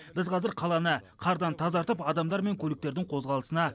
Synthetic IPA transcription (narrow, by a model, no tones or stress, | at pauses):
bɪzqʰɑzɪɾqʰɑlˠɑnəqʰɑɾd̪ɑnt̪ʰɑzɑɾt̪əpɑd̪ɑmd̪ɑɾme̞ŋkʲʰɵlɪk̚t̪e̞ɾd̪ɪŋqʰo̞zʁɑlˠəsənɑ